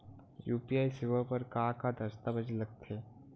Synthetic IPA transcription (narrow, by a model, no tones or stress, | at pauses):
juːpiaːisɪʋəpɐɾkaːkad̪ʱɐɾst̪abɐd͡ʒlɐɡ̚t̪ʰeː